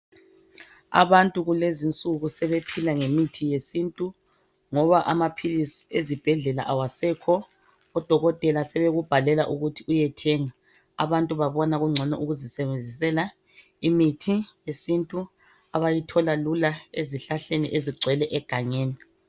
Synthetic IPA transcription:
a̰βantʼuɣulezint͡sʼuɣusɛβepʰilaŋemitʰijesintʼu | ŋɔβaʔamapʰilisiezib̥ʱɛɮɛla̰ʔawasɛkʰɔ | ɔd̥ʱɔɣɔtʼɛlasɛβeɣub̥ʱalɛlaʔuɣutʰiujɛtʰɛːŋa | a̰βantʼuβaβɔnaɣuŋ͡ǀʱɔnɔ̰ʔuɣuzisɛβend͡zʱisɛla | imitʰijesintʼu | aβajitʰɔlalulaeziɬaɬenḭʔeziɡ͡ǀʱwɛlɛʔɛɡ̥ʱaŋeːni

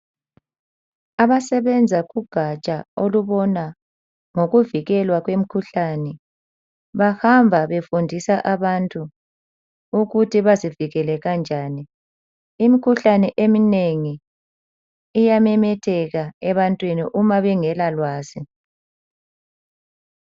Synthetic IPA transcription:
aβasɛβɛnd͡zʱaɣuɡ̥ʱat͡ʃʼaoluβɔna | ŋoɣuviɣɛlwaɣwemikʰuɬanɛ | βahambʱaβefundʱisaʔaβantʼu | uɣutʰiβaziviɣɛlɛɣand͡ʒʱaːni | imikʰuɬanɛʔemineŋi | jamɛmɛtʰɛɣaɛβantʼwinḭʔumaβɛŋɛlalwaːzi

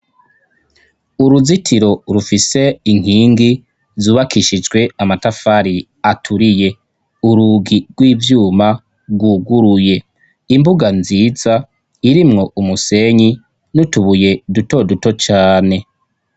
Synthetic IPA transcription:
uɾuzitʰiɾo̞ɾufise̞iŋ̥hiːŋɡi | zuːβakʰiʃid͡ʒɡwe̞amatafaɾi | atʰuɾije̞ | uɾuɡiɡ̥wiːvjuːma | ɾɡwuːɡuɾuje̞ | imbuɡanziːza | iɾimŋo̞umuse̞ɲi | nutuβuje̞duto̞duto̞t͡ʃaːne̞

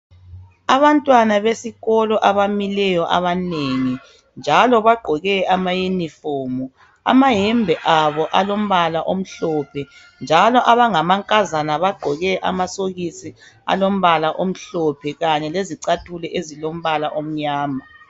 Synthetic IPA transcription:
aβantʼwanaβesiɣɔlɔʔaβamilɛjɔʔa̰βaneŋi | nd͡ʒʱalɔβaɡ͡ǃʱɔɣɛamajenifoːmu | a̰maɦɛmbʱɛʔaβɔʔalom̩βalaʔom̩ɬɔpʰɛ | nd͡ʒʱalɔʔaβaŋamaŋkʼazanaβaɡ͡ǃʱɔɣɛʔa̰masoɣisi | a̰lom̩βalaʔom̩ɬɔpʰɛɣaɲɛleziǀatʰulɛʔezilom̩βalaʔom̩ɲaːma

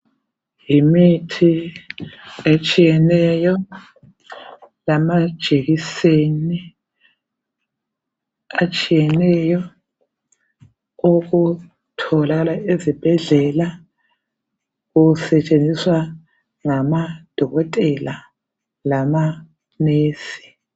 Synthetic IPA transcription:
jimitʰi | et͡ʃʼijɛnɛjɔ | lamad̥ʒ̥ʱeɣiseni | at͡ʃʼijɛnɛjɔ | oɣu | tʰɔlaɣalaezib̥ʱɛɮɛla | ɣusɛt͡ʃʼend͡zʱiswa | ŋamad̥ʱɔɣɔtʼɛla | lama | neːsi̥

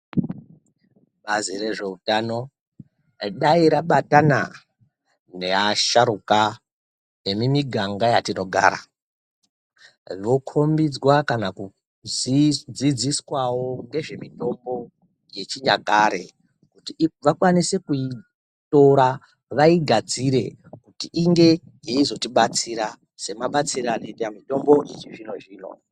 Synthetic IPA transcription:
ɓazire̞ʐe̞utano̞ | ɗaiɾaɓatana̰ | ne̞aʃaɾuka | emimiɡʱaŋɡajatino̞ɡʱa̰ːɾa̰ | ʋo̞kʰo̞mbid͡zwakanaku | d͡zid͡ziswawo̞ŋɡe̞ʐe̞mito̞mbo̞ | je̞t͡ʃiɲa̰kaːɾe̞̰ | kutiʋakwanise̞kui | to̞ɾa | ʋaiɡʱad͡ziɾe̞ | kutiʔiŋɡe̞ | jeizo̞tiɓat͡siɾa | se̞maɓat͡siɾaneamito̞mbo̞ʔit͡ʃiʐino̞ʐiːno̞̰

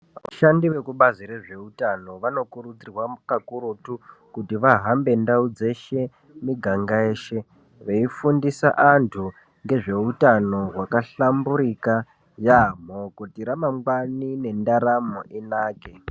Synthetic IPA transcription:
ʋa̰ʃandiʋe̞kuɓaziɾe̞ʐe̞utano̞ʋano̞kuɾud͡zirwakakuɾutukutiʋaɦambe̞ndaud͡ze̞ʃe̞ | miɡʱaŋɡae̞ːʃe̞ | ʋeifundisa̰ʔantʰu | ŋɡe̞ʐe̞utano̞ɦwakaɬambuɾika | jam̤okutiɾamaŋɡwanine̞ndaɾamoʔinaːke

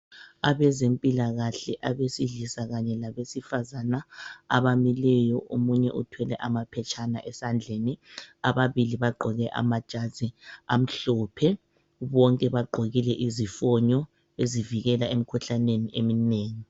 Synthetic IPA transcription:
aβɛzempʼilaɣaɬɛʔaβesiɮisaɣaɲɛlaβesifazana̰ːβamilɛjɔʔomuɲɛ̰ʔutʰwɛlɛ̰ʔamapʰɛt͡ʃʰʼana̰ʔɛsand͡ɮʱeːniaβaβiliβaɡ͡ǃʱɔɣɛʔa̰mad̥ʒ̥ʱḁz̥ʱiam̩ɬɔːpʰɛ | βɔŋkʼɛβaɡ͡ǃʱoɣilɛʔizifɔɲɔ | eziviɣɛlaem̩kʰuɬaneniʔemineːŋi

